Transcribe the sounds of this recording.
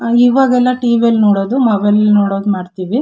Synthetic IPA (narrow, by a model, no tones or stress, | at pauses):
iːʋaːɡɛlːɐʈiːʋelnoːɽoːd̪umɐʋɐjlnoːɽo̞ːd̪umaːɖt̪iːʋi